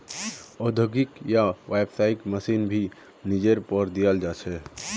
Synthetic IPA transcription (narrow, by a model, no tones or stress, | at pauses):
od̪ʱəoɡikjaʋebsaikməsinbʱi | nid͡ʒeɾpəɾd̪ijəld͡ʒat͡ʃʰɛ